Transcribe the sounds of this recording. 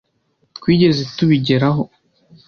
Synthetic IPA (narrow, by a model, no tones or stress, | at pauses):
kwiːɟe̞zetuβiɟeɾaɦo